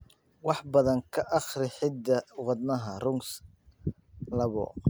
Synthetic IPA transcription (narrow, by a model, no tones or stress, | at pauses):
wɑħbɐðɐŋkʰɐʔɑχrɪħɪd̪ːɐwɑd̪nɐɦɐrʊŋs | lɐβɔ̰